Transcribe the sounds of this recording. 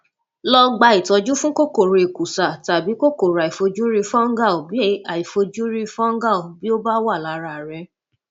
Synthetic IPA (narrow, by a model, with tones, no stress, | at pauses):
lɔ˧ɡ͡ba˧i˨tɔ˧d͡ʒu˦fũ˦ko˦ko˦˨ɾe˨˧e˨ku˨sa˨ta˨bi˨˦ko˦ko˨ɾa˨i˨fo˧d͡ʒu˦ɾi˧fɔ̃˦ɡa˦˨o˨bi˦e˦a˨i˨fo˧d͡ʒu˦ɾi˧fɔ̃˦ŋ˦ɡa˦˨u˨bi˦o˦ba˦wa˦˨la˨˦ɾa˧˨ɾɛ˧